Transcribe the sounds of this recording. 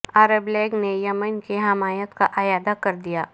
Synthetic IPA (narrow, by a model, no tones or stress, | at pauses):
aːɾəblɛːɡnejɐmənkeɦɐmaːjət̪kaʔɐjaːd̪akɐɾd̪ijaː